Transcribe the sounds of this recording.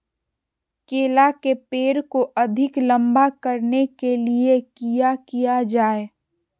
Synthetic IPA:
keːlakepeːɾkoʔɐd̪ʱɪklə̃mbakəɾnekeliekijakijad͡ʒaːe

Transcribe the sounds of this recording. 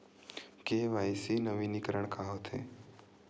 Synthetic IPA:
keʋajsinəʋinikəɾəɳkʰaɦot̪ʰḛ

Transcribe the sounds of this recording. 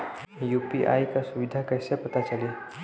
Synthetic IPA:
jupiʔa̰jkasuʋid̪ʱakəjsepət̪at͡ʃəli

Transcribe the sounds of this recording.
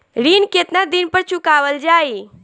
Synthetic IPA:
ɾiːnket̪nad̪inpəɾt͡ʃʊkaːʋəld͡ʒaːi

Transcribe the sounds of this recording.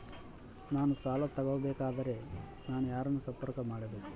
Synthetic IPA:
naːnusaːlɐt̪ɐɡoʋɐbɛːkaːd̪ɐɾe̞ | naːnujaːɾɐnːusɐmpɐɾkɐmaːɽɐbe̞ːku̥

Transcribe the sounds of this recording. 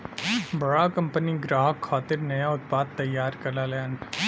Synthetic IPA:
bɐɽakɐ̃mpəniɡɾaːɦəkʰːaːt̪ɪɾnɐjaʊt̪̚paːd̪̚t̪ɐjːaːɾkɐɾlalen

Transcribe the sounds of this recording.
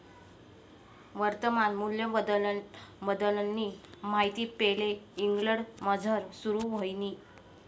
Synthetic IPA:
ʋəɾt̪əmanmuljəəd̪ | bəd̪ələnːimaɦit̪iːpeleiŋɡɭəɽməd͡zʱəɾsuɾuːʋəjniː

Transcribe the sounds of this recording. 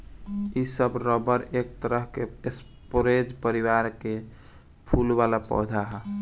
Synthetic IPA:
isəbɾɔbəɾek̚t̪əɾəɦkees | poɾed͡ʒpəɾiwaɾke | pʰulbalapɔ̰ɦd̪ʱaɦɛ

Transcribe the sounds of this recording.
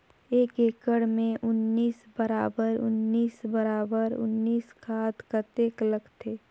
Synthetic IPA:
eːkeːkəɽmẽʔʊnːiːsbəɾaːbəɾʊ̰nːiːsbəɾaːbəɾʊ̰nːiːskʰaːt̪kət̪eːkləɡt̪ʰeː

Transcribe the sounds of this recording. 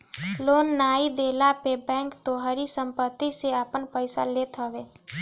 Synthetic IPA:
loːnːaːid̪eːlapebɛ̃ːŋkt̪oːɦəɾisə̃mpət̪ːiseaːpənpəɪsa̰leːt̪əʋeː

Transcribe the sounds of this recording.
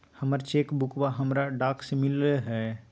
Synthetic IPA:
həməɾt͡ʃeːkbʊkʋaɦɐmɾaɖaːksemɪlɦɛː

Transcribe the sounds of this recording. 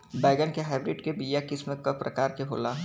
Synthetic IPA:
bɛːɡənkeɦaːbɾɪɖkebiːjakɪsmẽkɐpɾɐ̰kaːɾkebʱo̰ːlaɦ

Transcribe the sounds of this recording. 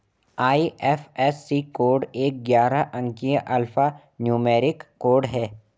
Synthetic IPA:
aːiʔɛːfɛsːikoːɾɖeːk̚ɡjaːɾaʔɐ̃ŋkiəʔɐlfa | njuːmeːɾɪkːoːɾɖɦɛː

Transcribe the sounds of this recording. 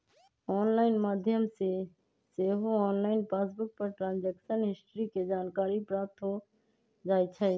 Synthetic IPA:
ɔːnlaːɪnmaːd̪ʱjəmse | seɦoɔːnlaːɪnpasbʊk̚pəɾʈɾãːnd͡ʒɛːksənɦɪsʈɾiked͡ʒaːnkaːɾipɾaːp̚t̪ɦo | d͡ʒaːjt͡ʃʰɛ

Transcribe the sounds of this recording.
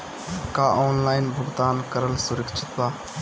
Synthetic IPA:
kaʔɔːnlaːɪnbʱuɡd̪aːnkəɾəlsuɾəkt͡ʃʰi̥t̪baː

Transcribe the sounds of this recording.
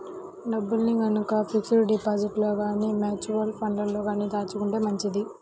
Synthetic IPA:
ɖɐbːulniɡɐnukɐpʰiksuɾɖipaːd͡ʒiʈloːɡaːniːmaːt͡ʃuɾɐlpʰɐɳlɐllo̞ːɡaːniːd̪aːt͡ʃukuɳʈe̞ːmɐɲt͡ʃid̪i

